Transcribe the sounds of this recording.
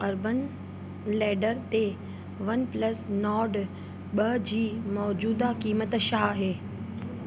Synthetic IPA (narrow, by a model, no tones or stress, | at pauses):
ɐɾbən | lɛːɖəɾt̪e | ʋɐnplɐsnɔːɖ | ɓɐd͡ʑiːmɔːd͡ʑuːd̪akiːmət̪ʃaːɦeː